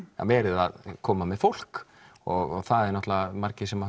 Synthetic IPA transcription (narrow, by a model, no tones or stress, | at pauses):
a̰vɛːɾʏða̰ðkʰɔːmamɛðfowl̥k | ɔɣɔɣθaðɛɾnɔht̪lavamaɾcɪsɛma